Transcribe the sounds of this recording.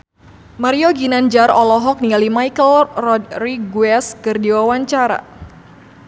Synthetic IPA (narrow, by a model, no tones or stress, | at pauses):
maɾioɡinand͡ʒarɔlɔɦɔk̚nialimajkəlrɔd̪riɡwɛskɨrdiwawaɲt͡ʃaɾa̰